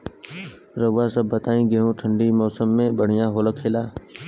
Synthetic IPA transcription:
ɾəʋaːsəbʱːət̪aːĩːɡeɦũːʈʰəɳɖiːmɔːsəmːẽːɓəɽ̤ɪjãːɦoːləkʰeːlaː

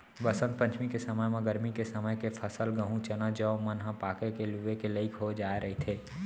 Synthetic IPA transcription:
ʋɐsə̃nt̪̚pə̃ɲt͡ʃʰmikesəməjmẽɡəɾmikesɐməjkepʰəsəlɡəɦũt͡ʃənad͡ʒəomənɦãpaːkekeluekeləɪkɦod͡ʒaːeɾɐɦit̪ʰeː

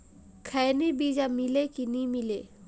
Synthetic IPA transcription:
kʰɛjnibid͡ʑamilekinimile

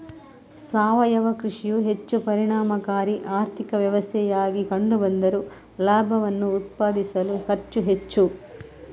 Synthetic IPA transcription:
saːʋɐjɐʋɐkɾiʂijuɦet͡ʃːupɐɾiɳaːmɐkaːɾiʔaːɾt̪ʰikɐʋjɐʋɐst̪ʰɛjaːɡikɐɳɖubɐnd̪ɐɾu | laːbʱɐʋɐnːuːt̪̚paːd̪isɐluhɐɾt͡ʃːuɦe̞t͡ʃːu

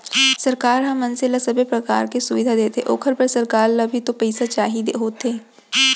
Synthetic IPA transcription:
sɐɾkaːɾɦɐ̃mːɐ̃nsɪlasɐbʱepɾɐka̰ːɾkesʊʋɪd̪ʱad̪eːt̪eʔo̰ːkʰəɾpɐɾsɐɾkaːɾlɐbʱit̪opɛɪsat͡ʃaːɦid̪eɦoːt̪eː

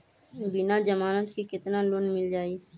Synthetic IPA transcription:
bɪnad͡ʒəmaːnət̪kikɪt̪naloːnmɪld͡ʒaːiː

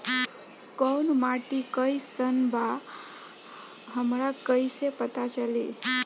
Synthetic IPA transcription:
kəwnmaʈikəjsənba | ɦəmɾakəjsepət̪at͡ʃəli

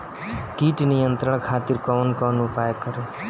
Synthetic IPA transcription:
kiːʈnijənt̪ɾəɳ̃kʰaːt̪iɾkɔʋənkɔnupaːjkəɾe

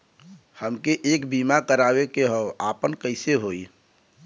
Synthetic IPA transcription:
həmkeʔeːkbiːmakəɾaːwekeɦɔːaːpənkəɪseɦoːi

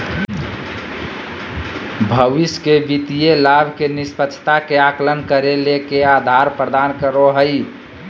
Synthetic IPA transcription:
bʱəʋiskebit̪ijelabʱkenispət͡ʃʰt̪akeaklənkəɾelekead̪ʱaɾpɾəd̪ankəɾoɦəj

